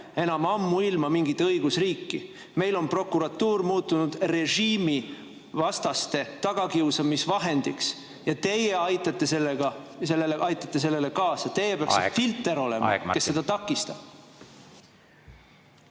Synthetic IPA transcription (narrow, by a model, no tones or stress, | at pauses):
e̞nɑmɑmːuilmɑmiŋɡit̪ːɤ̞jɡ̥usriːkːi | me̞jlo̞npro̞kːˑuɾɑt̪ːuːrmuːt̪ːunud̪̥re̞ʒiːmi | vɑst̪ɑst̪e̞t̪ɑɡ̥ɑkiusɑmisvɑɦe̞nd̪̥iks | jɑt̪e̞jeɑjt̪ːˑɑt̪ːe̞selːeɡɑselːelʔɑjt̪ːˑɑt̪ːe̞s̬e̞lːe̞le̞kɑːsɑt̪e̞jepeɑkksfilt̪ːˑe̞ɾo̞lḛm̰ɑ̰ke̞sːe̞d̪̥ɑt̪ɑkːˑist̪ɑb̥